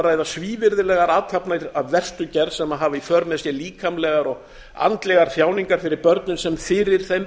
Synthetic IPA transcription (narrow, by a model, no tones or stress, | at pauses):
ɾaɛðasviːvɪɾðɪlɛɣaɾaːt̪ʰapnaɾavvɛr̥st̪ʏcɛɾðsɛmaðɦaːvaifœɾmɛðsjɛliːkʰamlɛɣaɾɔɣ | a̰nt̪lɛɣaɾ̥θjaːwniŋkaɾ̥fɪɾɪɾpœɾt̪nʏnsɛmfɪɾɪɾ̥θejm